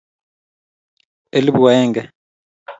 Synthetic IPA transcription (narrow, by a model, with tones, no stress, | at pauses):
e˦li˦bu˨wa˨ɛː˦ŋɡɛ˨